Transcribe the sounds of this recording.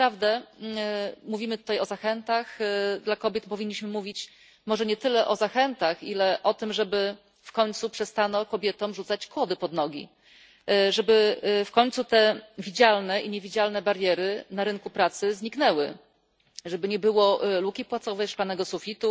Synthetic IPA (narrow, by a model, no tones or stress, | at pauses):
pɾavd̪ɛ | muvʲimɘt̪u̥t̪ajɔzaxɛnt̪axd̪lakɔbʲjɛt̪pɔvʲiɲːiɕmɘmuvʲit͡ɕ | mɔʐɛɲɛt̪ɘlɛʔɔzaxɛnt̪axilɛʔɔt̪ɘmʐɛbɘ | fkɔɲʲt̪supʂɛst̪anɔkɔbʲjɛt̪ɔmʐut̪sat͡ɕkwɔd̪ɘpɔd̪nɔɡʲḭ | ʐɛbɘfkɔɲʲt̪sut̪ɛvʲid͡ʑalnɛʔiɲevʲid͡ʑalnɛbaɾjɛɾɘnaɾɘŋkupɾat̪sɘzɲiknɛwɘ̰ | ʐɛbɘɲɛbɘwɔlukʲipwat̪sɔvɛjʂklanɛɡɔsufʲit̪u